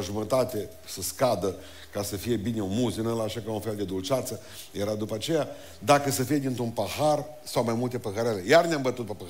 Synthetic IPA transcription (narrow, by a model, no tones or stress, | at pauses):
ʒumət̪at̪e̞ | səskad̪ə | kasəfije̞bine̞unmuzɨnəlaʃakaunfe̞ld̪e̞d̪ult͡ʃat̪sə | jeɾad̪upat͡ʃe̞ja | d̪akəsəfije̞d̪int̪ɾunpahar | sawmajmult̪e̞pəɦəɾele̞jarneambət̪ut̪̚pepə